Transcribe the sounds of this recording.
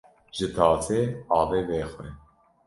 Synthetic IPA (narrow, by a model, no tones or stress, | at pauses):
ʒ̥ɨt̪ʰɑːt͡seːɑːveːveːxwɛ